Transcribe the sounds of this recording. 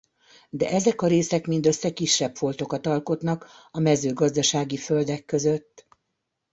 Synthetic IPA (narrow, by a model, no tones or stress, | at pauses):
d̪ɛ̰ʔɛzɛkɒɾeːsɛkmind̪ø̞sːɛkiʃːɛpfo̞lt̪o̞kɒt̪ɒlko̞t̪nɒk | ɒmɛzøːɡɒzd̪ɒʃaːɡifø̞ld̪ɛkːø̞zø̞t̪ː